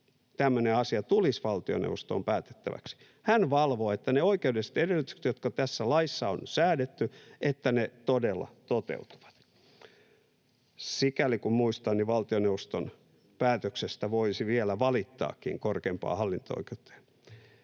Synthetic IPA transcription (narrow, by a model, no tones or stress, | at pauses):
t̪æmːøneɑsiɑt̪ulisʋɑlt̪io̰nḛʋost̪o̰ːmpæːt̪e̥t̪ːæ̰ʋæ̰ksi̥ | hænʋɑlʋoːet̪ːæneoikeudese̥t̪edelːˑyt̪yksĕ̥t̪jot̪kɑt̪æsːælɑisːɑonsæːdet̪ːyʔet̪ːænet̪odelːɑ̰t̪ot̪ḛut̪u̥ʋɑ̥t̪ | sikælikummuist̪ɑnniʋɑlt̪ioneuost̪on | pæːt̪øksest̪æʋoisiʋielæʋɑlit̪ːɑ̰ːkːḭŋkorkeːmpɑ̰ːhɑlːint̪o̰o̰ikeut̪ːɑ̥